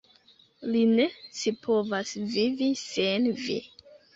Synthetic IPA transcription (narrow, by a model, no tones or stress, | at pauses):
line̞sipʰo̞vasvivisenvḭ